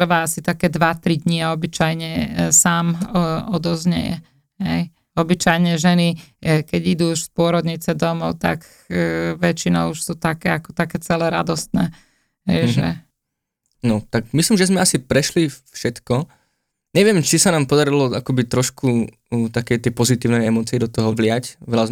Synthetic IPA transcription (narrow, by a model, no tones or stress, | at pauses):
r̩ʋaasit̪akɛːd̪ʋat̪ɾid̪ɲiaɔbit͡ʃajɲɛsaːmɔd̪ɔzɲɛ̰jɛ̰ | ɦɛj | ɔbit͡ʃajɲɛʒɛnikɛɟid̪uːuʃspʊɔɾɔd̪ɲit͡sɛd̪ɔmɔʊt̪a̰k | ʋɛt͡ʃinɔʊuʃsuːt̪akɛːakɔ̥t̪akɛːt͡sɛlɛɾa̰d̪ɔst̪nɛ̰ː | ɦɛjʒɛ̰ | nɔt̪akmislimʒɛzmɛasipɾɛʃlifʃɛt̪kɔ | ɲɛʋɪɛmt͡ʃisanaːmpɔd̪aɾilɔakɔbit̪ɾɔʃku | t̪akɛt̪ɛpɔzit̪iːʊnɛjɛmɔːt͡siɛd̪ɔt̪ɔɦɔʋlɪacʋɛlaz